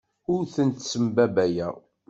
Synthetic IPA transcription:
ʊɾθənt̪səmbæbæjæ

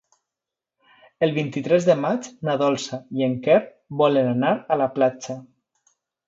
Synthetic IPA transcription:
əlˠβint̪it̪ɾɛzðəmad͡ʒnaðɔlˠsaieŋkɛɾ | bɔlənanaɾalaplat͡ʃa

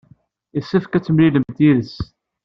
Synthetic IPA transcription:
isːæfkæt͡sːəmliləmt̪iðəs

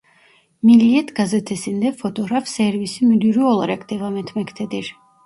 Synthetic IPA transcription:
miliɛt̪ʰɡazɛt̪ʰɛsind̪ɛfʰɔt̪ʰʼɔɦɾafsɛɾvisimyd̪iɾuɔlˠɾɛkʰt̪ʰɛvamɛnt̪ʰmɛkʰt̪ʰɛd̪iɾ

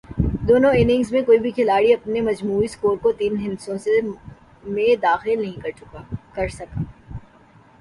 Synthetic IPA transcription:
d̪oːnõɪnɪ̃ŋɡzmẽkoːibʱikʰɪlaːɽiɐpnemɐd͡ʒmuːiskoːɾkot̪iːnɦɪnsõse | mẽd̪aːxɪlnɐɦĩkɐɾt͡ʃʊkakɐɾsɐkaː

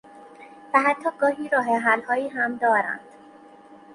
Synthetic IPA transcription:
væɦæt̪ʰːɒːɡɒːhiːɾɒːɦeɦælhɒːjiːɦæmd̪ɒːɾæ̰nd̪̥

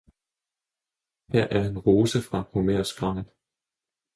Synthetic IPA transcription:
hæɐ̰ʔæɐe̝nʁo̝ːsəfʁɑ̈homeɐ̰sɡ̥ʁɑ̈ŋ̰n

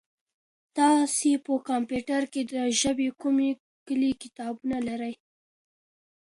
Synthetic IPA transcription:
t̪ɑsepəkɑmpjuʈaɾked̪əʒəbekume | kəlikɪt̪ɑbunalaɾəj

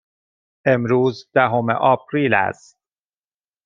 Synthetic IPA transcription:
e̞mɾuːzd̪̥æɦo̞mḛʔɒːp̚ʰɾiːlæ̰z

